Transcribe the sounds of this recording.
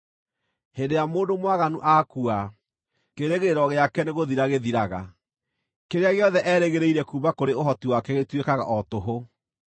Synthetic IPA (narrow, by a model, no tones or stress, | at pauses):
hendejamoːndomwaɣanuʔakua | keɾeɣeɾɔɣeakɛneɣoðiɾaɣeðiɾaɣa | keɾeaɣeɔðɛʔɛːɾeɣeɾeiɾɛkuːbakoɾeoɦɔtiwakɛɣetwekaɣa̰ʔɔtoɦo